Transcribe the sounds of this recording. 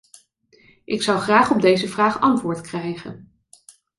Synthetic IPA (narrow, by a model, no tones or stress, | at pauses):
ʔɪksɑwχraːχɔb̚dejzəvraːχɑntʋʊːɹtkrɛjχə̰n